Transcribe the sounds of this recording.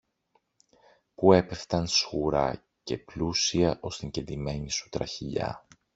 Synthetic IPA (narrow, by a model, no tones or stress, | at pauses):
pue̞pe̞ft̪ɐnsɣuɾɐ̰ | ce̞plusiɐʔo̞st̪iɲɟend̪ime̞ɲisu̥t̪ɾɐ̰çiʎɐ̰